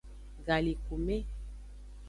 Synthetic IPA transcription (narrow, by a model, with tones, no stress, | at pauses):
ɡa˨li˨ku˨me˦